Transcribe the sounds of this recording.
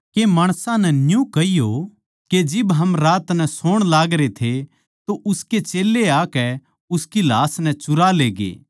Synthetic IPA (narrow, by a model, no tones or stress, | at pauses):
kemaːɽ̃sãnɛnjũkɐijo | ked͡ʒɪbɦɐmɾaːt̪nɛsoːɽ̃laːɡɾet̪ʰe | t̪oʔʊsket͡ʃeːlːeaːkɛ | ʊskilaːsnɛ̃t͡ʃʊɾaleːɡḛː